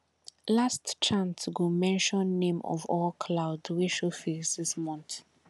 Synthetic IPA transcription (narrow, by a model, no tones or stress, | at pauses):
lastt͡ʃãnsɡomɛ̃nʃɔ̃nːẽmɔ̰vɔlkʰlaʊdweʃofisðɪsmɔ̃nθ